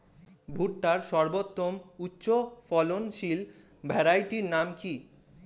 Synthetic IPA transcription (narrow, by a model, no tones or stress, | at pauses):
bʱuʈʈaɾʃɔɾbot̪ːomutːɕofɔlonʃil | bʱɛɾajʈiɾnamki